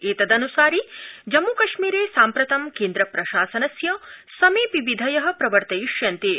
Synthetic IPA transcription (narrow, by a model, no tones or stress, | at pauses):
eːt̪ɐd̪ɐnusaːɾid͡ʒɐmːukɐʃmiːɾeːsaːmpɾɐt̪ɐmkeːnd̪ɾɐpɾɐʃaːsɐnɐsjɐsɐmiːpiʋid̪ʱɐjɐɦɐ̆pɾɐʋɐɾt̪ɐjiʂjɐnt̪e